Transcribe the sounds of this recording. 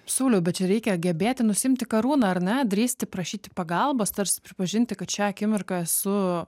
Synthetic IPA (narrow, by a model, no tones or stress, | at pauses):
suʊlʲɛʊbʲɛt̪t͡ʃʲɛɾʲɛɪkʲɛɡʲɛbʲeːt̪ʲɪnʊsʲɪɪmʲt̪ʲɪkɐɾuːnɐɐɾnʲɛd̪ʲɾʲiːsʲt̪ʲɪpɾɐʃʲiːt̪ʲɪ̥pɐɡɐlˠbɐst̪ɐrsʲɪ̥pʲɾʲɪpɐʒʲɪnʲt̪ʲɪkɐt̪ʃʲɛɐkʲɪmʲɪrkɐɛsʊ